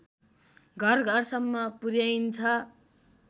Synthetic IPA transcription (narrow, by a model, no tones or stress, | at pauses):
ɡʱʌrɡʱʌrsʌmːʌpurjajnt͡sʰʌ